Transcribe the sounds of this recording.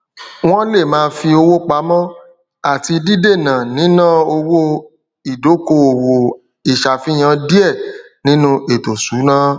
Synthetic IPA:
w̃ɔ̃˦le˦˨mãː˨˦fi˧o˧wo˦k͡pa˨˦mɔ̃˦ | a˦˨ti˧di˦de˦˨nã˨nĩ˨˦nã˦˨o˧wo˦ | i˨do˨˦ko˧o˨wo˨ | i˨ʃa˨fi˦j̃ã˧˦di˦ɛ˦˨ | nĩ˨˦nũ˦e˨to˨su˨˦nã˦

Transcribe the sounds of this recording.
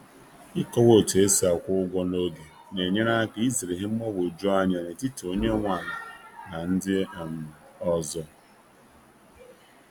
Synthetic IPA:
ɪ˦kɔ˦wo˦˨te˦si˦a˨kʷʊ˦ʊ˦ɡʷɔ˦no˦ɡe˨ | ne˨ɲe˦na˦ki˨˦i˦zɾɪ˨ɦɪ˦m̩˦mɔ˦wo˨d͡ʒo˦a˦ɲa˨ne˨ti˦to˦ɲe˦ŋʷa˨ɾa˨na˨n̩˦dɪ˦˨m̩˨ɔ˦zɔ˦

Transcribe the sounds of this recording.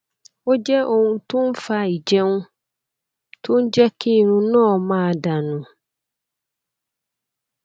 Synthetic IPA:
wo˦d͡ʑɛ˦ʔo˨ŋũ˨tʰʊ̃˦m˦fa˨i˨d͡ʑɛ̃˦nũ˦ | tʰʊ̃˦n˦d͡ʑɛ˦kʰi˦˨nʊ̃˦nɔ̃˦ɔ˨mã˦˨da˨nũ˨

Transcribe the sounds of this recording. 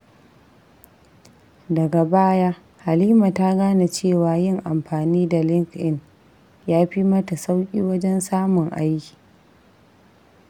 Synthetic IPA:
dɐ˨ɡa˨baː˦jaː˦ | ha˨liː˦ma˨ta˦ɡaː˦na˨t͡ʃeː˦˨waː˨jɪ˦ŋʔa˨mɸaː˨niː˦da˨lɪ˦ŋkʔɪ˦n | jaː˦ɸi˦mɐ˦ta˨sa˦wkʲʼiː˦wɐ˦d͡ʒɛ˦nsaː˦mʊ˨ŋʔa̰˦jkʲi̥ː˨

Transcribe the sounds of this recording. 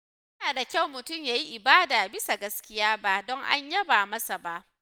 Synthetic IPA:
jɐ˦naː˨da˨kʲa˦˨wmʊ˨tʊ˦˨mjaː˨ji˦ʔɪ˨baː˦daː˨bɪ˦sa˨ɡɐ˦skʲɪ˦jaː˦ba˦dɔ˦ŋʔa̰˦ɲjɐ˦baː˨mɐ˦sa˨ba˦ʔ

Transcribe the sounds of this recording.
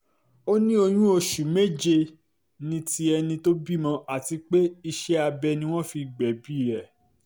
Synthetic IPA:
o˦nĩ˦o˧j̃ũ˦o˧ʃu˨me˦d͡ʒe˧ | nĩ˦ti˦ɛ˧nĩ˧to˦bi˦˨mɔ̃˧ʔa˨ti˧k͡pe˦i˧ʃɛ˦a˧bɛ˧nĩ˧w̃ɔ̃˦fi˧ɡ͡bɛ˨bi˦˨ɾɛ˦˨

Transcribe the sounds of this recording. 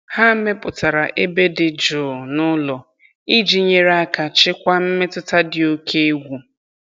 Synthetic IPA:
ha˦me˦pʊ˨ta˨ɾa˨ʔe˦be˦dɪ˨d͡ʒʊ˨nʊ˦lɔ˨ | i˦d͡ʒi˦ɲe˦ɾa˦ka˨t͡ʃɪ˦kʷa˦m̩˦me˦tʊ˦ta˦dɪ˨o˦kʰe˦e˦ɡʷu˨

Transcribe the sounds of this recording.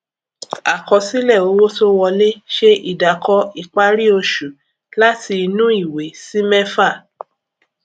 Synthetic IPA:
a˨kɔ˧si˦lɛ˦˨o˨˦wo˦to˦wɔ˧le˦ʃe˦i˦˨da˨kʰɔ˧i˦˨k͡pa˦ɾi˦o˧ʃu˨ | la˦tʰi˧nũ˦i˦˨we˨si˦mɛ˦fa˦˨

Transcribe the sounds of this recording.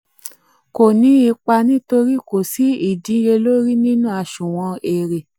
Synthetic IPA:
ko˨nĩ˨˧˦i˧k͡pa˧nĩ˦to˧ɾi˦ko˨si˨˦i˦˨dĩ˨˦je˧lo˦ɾi˦nĩ˦nũ˦a˧ʃũ˨w̃ɔ̃˧e˨ɾe˨

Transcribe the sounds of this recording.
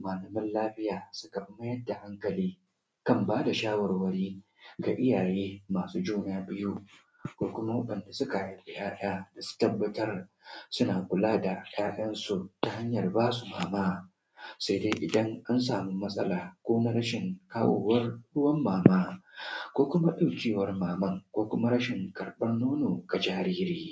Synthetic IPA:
maː˨lɐ˨mɐ˦nlaː˦ɸɪ˦jaː˨sʊ˦ka˨ɸɪ˦mɐ˦jɐ˦da˨ha˦ŋkɐ˨liː˦ | kɐ˦mbaː˦da˨ʃaː˦wɐ˨rwɐ˦ɽiː˦ | ɡa̰˨ʔɪ˦jaː˨ɽeː˦maː˨suː˦d͡ʒuː˦naː˦bɪ˦ju˦ | kʷoː˦kʷʊ˦ma˦wɐ˦ɗɐ˨nda˨sʊ˦ka˨ʔa˨˦ɸɪ˨j̰ʔaː˦ɗ̰aː˦d̥a˨su̥˦tɐ˦bːɐ˦tɐ˦r | sʊ˦naː˨kʷʊ˨laː˦da˨j̰aː˦ɗɐ˦nsu˨ta˨ha˦ɲjɐ˨rbaː˦su˨maː˨maː˦ | sa˦deː˦ʔɪ˨dɐ˦ŋʔa˦nsaː˨mu˦mɐ˦sʼɐ˦laː˨kʷoː˦na˦ɽɐ˦ʃɪ˨ŋkaː˦wʔoː˨wɐ˦rɽʊ˦wɐ˦mːaː˨maː˦kʷoː˦kʷʊ˦ma˦ɗa˦wkʲiː˦wɐ˦rmaː˨mɐ˦ŋkʷoː˦kʷʊ˦ma˦ɾɐ˦ʃɪ˨ŋkɐ˨ɾɓɐ˦nːoː˦noː˨ɡa˨d͡ʒaː˦ɾiː˦ɾiː˦

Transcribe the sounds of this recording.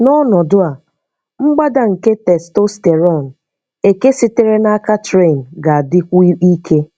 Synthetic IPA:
nɔ˦nɔ˨dʊ˦a˨ | ŋ͡m̩˦ɡ͡ba˦da˨ŋ̩˨ke˦tɛ˨sto˦ste˨ɾɔ˦˨n̩˨ | e˨ke˦si˦te˦ɾe˦na˦ka˦tɾe˦˨n̩˨ɡa˨a˨dɪ˦kʷi˦kʰe˦

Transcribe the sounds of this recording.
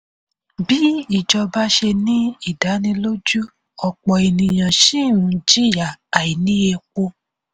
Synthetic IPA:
bi˦i˦˨d͡ʒɔ˧ba˦ʃe˧nĩ˦i˦˨da˨˦nĩ˧lo˦d͡ʒu˦ | ɔ˧k͡pɔ˨e˨nĩ˨j̃ã˨ʃĩ˦˨ũ˧˦d͡ʒi˦˨ja˨a˨i˨nĩ˦e˧kʷo˧

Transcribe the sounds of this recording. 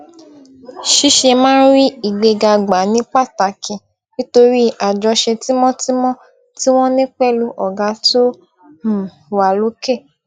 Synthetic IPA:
ʃi˦ʃe˧mãː˦n˦ɾi˦i˨ɡ͡be˧ɡa˧ɡ͡ba˨˦nĩ˨˦k͡pa˦˨ta˨kĩ˨ | nĩ˦to˧ɾi˦a˨d͡ʒɔ˧ʃe˧ti˦mɔ̃˦ti˦mɔ̃˦ | ti˦w̃ɔ̃˦nĩ˦k͡pɛ˦˨lu˧ʔɔ˨ɡa˨˧˦to˦ | m̩˨ | wa˨lo˨˦ke˦˨

